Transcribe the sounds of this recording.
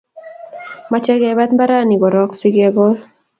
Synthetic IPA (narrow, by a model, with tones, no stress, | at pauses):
ma˦t͡ʃɛ˦ɡɛ˨ba˦t̪mba˦ɾa˦ni˨ɡɔ˨ɾɔ˦ksi˦ɡɛɡɔ˦l